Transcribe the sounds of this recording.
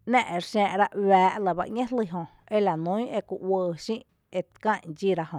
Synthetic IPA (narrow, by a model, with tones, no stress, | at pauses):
nɛ̃ː˦˧ʔe˨ɾʃɛ̃ː˧ʔɾa˦ʔwæː˨˦ʔlə˧˨ba̰˧ʔɲẽ˦hli˧˨ɦõ˧ | e˦la˨nũ˦e˧ku˧ʔwəː˧ʃĩ˦ʔ | e˧t̪kã˦˧˨ɲd͡ʒi˦ɾa˧hõ˨